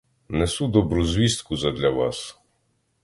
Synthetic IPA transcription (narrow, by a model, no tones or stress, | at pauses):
nɛsud̪ɔbɾuzʲʋʲist̪kuzɐd̪lʲɐʋɑ̰s